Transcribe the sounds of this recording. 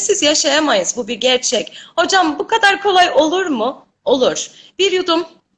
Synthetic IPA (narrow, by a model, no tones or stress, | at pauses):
sizjaʃajamajɯzbubiɾɟæɾt͡ʃʰɛcho̞d͡ʒambukʰad̪aɾkʰo̞lˠajo̞lˠuɾmʊ | o̞lˠuɾ̥b̥iɾjud̪um